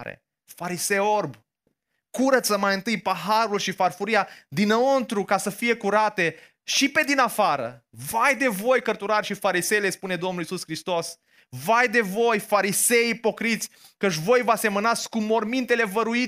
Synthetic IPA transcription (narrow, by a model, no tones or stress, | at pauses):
ɾḛ | faɾisejorb | kuɾət̪səmajɨnt̪ɨjpaɦaɾulʃifarfuɾijad̪inəont̪ɾukasəfije̞kuɾat̪e̞ | ʃipe̞d̪inafaɾə̰vajd̪e̞vo̞jkərt̪uɾarʲʃifaɾise̞jle̞spune̞d̪o̞mnulisuskɾist̪o̞s | vajd̪e̞vo̞jfaɾise̞jipo̞kɾit̪sʲ | kət͡ʃ̬vo̞jvase̞mənat̪sʲkumːo̞rmint̪e̞le̞vəɾui